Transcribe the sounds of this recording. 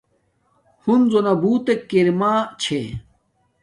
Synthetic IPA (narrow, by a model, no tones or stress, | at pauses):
hunzonɐbuːt̪ekiɾmaːt͡ɕʰe